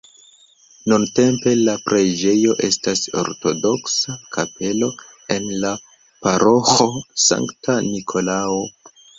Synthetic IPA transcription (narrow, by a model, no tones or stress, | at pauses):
nunte̞mpe̞lapɾed͡ʒe̞jo̞ʔe̞staso̞̰ɾto̞do̞ksakʰape̞lo̞e̞nla | paɾʔo̞xo̞sa̰ŋktʰanikʰo̞lao